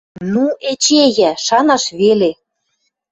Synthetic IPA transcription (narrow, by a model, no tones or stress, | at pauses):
nuet͡ɕejæʃɑnɑʃβele